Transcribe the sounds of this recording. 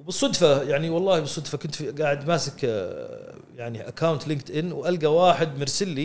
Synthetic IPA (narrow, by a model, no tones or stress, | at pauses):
wbɨsˤːʊd̪fajaʕniwɑlˤːɑːhibɨsˤːʊd̪fakʊnt̪fɡaːʕɪd̪ʔmaːsɪk | jaʕniʔakːawnt̪lɪŋkt̪ʔɪnːwʔalɡawaːħɪd̪mɪɾsɪlːi